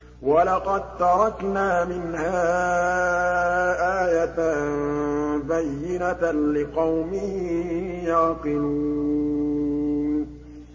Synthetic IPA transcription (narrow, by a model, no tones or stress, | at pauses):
walɑqɑd̪̚t̪ɑɾˤɑknaːmɪnhaː | ʔaːjat̪a | bajːɪnalɪqɑwmɪh | jaːqɨluː | n